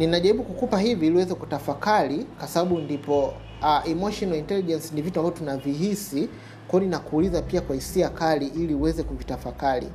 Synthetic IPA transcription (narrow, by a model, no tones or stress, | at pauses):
ninaʄaɾiɓukukupahiviliwɛzɛkutafakalikwasaɓaɓundipɔ | aɛmɔʃɔnaintɛliʄɛnsinivituambavɔtunaviɦisi | kwaɔninakuːlizapiakwahisiakaliʔiliuwɛzɛkuvitafakalḭ